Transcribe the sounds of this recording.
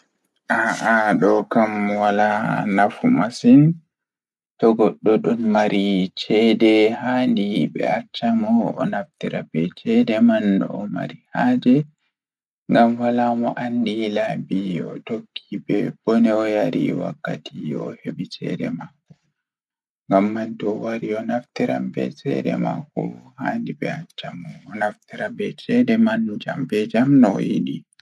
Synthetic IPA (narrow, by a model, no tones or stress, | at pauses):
ʔaʔaɗɔkamwalanafumasin | tɔɡɔɗːɔɗɔnmaɾʔit͡ʃɛdɛhandibɛ̰at͡ʃːamɔ̰ːnaftiɾabɛt͡ʃɛdɛmanɗɔ̰ɔma̰ɾihad͡ʒɛ | ŋɡamwalamɔʔandilabiɔtokʰːibɛb̥ɔnɛɔjaɾḭwa̰kːatiɔheɓit͡ʃɛ̰ɗɛmaku | ŋɡamːantɔwaɾiɔnaftiɾa̰mbɛ̰t͡ʃɛ̰dɛ̰ma̰kuhandibɛat͡ʃamɔːnaftiɾabɛt͡ʃɛdɛmand͡ʒambɛd͡ʒamnɔjḭɗi